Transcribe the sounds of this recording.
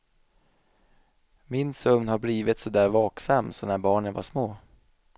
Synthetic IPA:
mɪnsɵmnhaɾbliːvɪt̪sɔd̪æːɾvɑːksamːsɔnæɾbɑːɳənva̰ʂmoː

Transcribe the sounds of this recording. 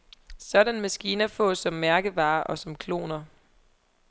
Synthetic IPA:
sɒ̽dænmæsɡ̥iːnɐfɔ̰̽sɒ̽mːæɐɡ̥əʋɑ̈ːʔɒ̽sɒ̽mkʰlo̝̰ːnɐ

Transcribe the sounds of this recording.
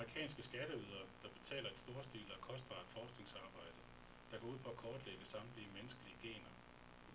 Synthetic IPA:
mʁikʰɛ̰ːnsɡ̥əsɡ̥æɾ̥əyð̞ˠɐd̥ɑ̈b̥e̝t͡sʰɛ̰ːlɐe̝d̥sd̥o̝ːɐsd̥ḭːlɒkʰɒ̽sd̥̚b̥ɑ̰̈ːd̥fɒːsɡ̥ne̝ŋsɑ̈ːb̥ɑ̈ɪ̰d̥ə | d̥ɑ̈ɡ̥ʰɒ̰uð̰ˠpʰɒ̽ækʰɒːd̥leɡ̥əsɑ̈md̥liəmenəsɡ̥əliəɡ̥e̝̰ːnɐ

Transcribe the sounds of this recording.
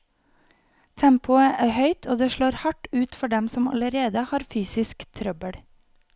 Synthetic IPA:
t̪ʰæmpʊəʔæːhœʏt̪ʰoːd̪eːʃɭoːɾhɑʈʉːt̪fɔɖɛmsɔmɑ̰ləɾeːd̪əhɑːɾfyːsɪskt̪ʰɾœbəɽ

